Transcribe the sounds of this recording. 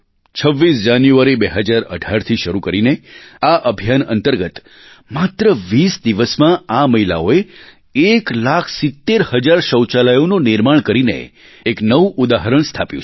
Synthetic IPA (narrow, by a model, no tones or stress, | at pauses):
t͡ʃʰəʋːisd͡ʒanjuʋaɾibeɦəd͡ʒaɾə̰ɖʱaɾt̪ʰiʃəɾukəɾineaʔəbʱijanə̰nt̪əɾɡət̪ | mat̪ɾəʋisd̪iʋəsmãaməɦila̰oe | eklakʰsit̪ːeɾhəd͡ʒaɾʃəwt͡ʃalajononɪɾmaɳ̃kəɾinḛː | knəʋuʔud̪aɦəɾəɳ̃st̪ʰapjṵ̃t͡ʃʰ